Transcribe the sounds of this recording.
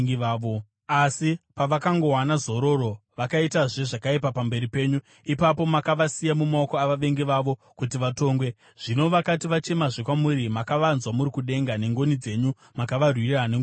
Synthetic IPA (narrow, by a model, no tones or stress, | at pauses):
iaːʋo | asipaʋakaŋɡo̞ɦwanazo̞ɾo̞ro̞ʋakaitaʐeʐakaipapambe̞ɾipe̞ːɲu | ipapo̞makaʋasijamumaokoaʋaʋe̞ŋɡiʋaʋo̞ | kutiʋato̞ːŋɡwe̞ | ʐ̥ino̞ʋakatiʋat͡ʃe̞maʐekwamuɾimakaʋanzwamuɾikuɗe̞ŋɡane̞ŋɡo̞nid͡ze̞ɲu | makaʋarwirane